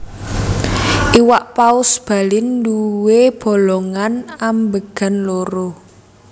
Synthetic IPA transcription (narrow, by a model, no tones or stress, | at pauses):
ʔiwaʔpaʊsb̥a̤lɪnduweb̥ɔ̤lɔŋanambəɡ̥a̤nloɾo